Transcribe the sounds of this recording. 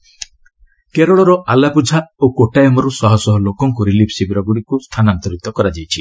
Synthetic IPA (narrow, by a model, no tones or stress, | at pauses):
keɾɔɭɔɾɔʔalapud͡ʒʱaokoʈajɔmɔɾusɔɦɔsɔɦɔlokɔŋkuɾilipʰsibɾɔɡuɽikust̪ʰanant̪ɔɾik̚t̪ɔkɔɾad͡ʒajt͡ʃʰi